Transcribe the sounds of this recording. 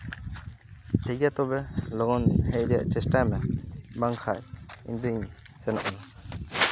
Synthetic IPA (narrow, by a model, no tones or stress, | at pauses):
ʈʰiɡat̪ɔbɛlɔɡɔnhɛc̚ɾa̰ʔt͡ʃɛsʈajmɛbaŋkʰajḭnd̪iŋ | sɛnɔ̰ʔɔna